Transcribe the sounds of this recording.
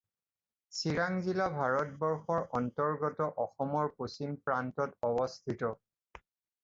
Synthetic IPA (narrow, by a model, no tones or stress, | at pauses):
siɹaŋzilabʱaɹɔt̚bɔɹxɔɹʔɔntɔɹɡɔtɔʔɔxɔmɔɹposimpɹantɔtɔbɔstʰitɔ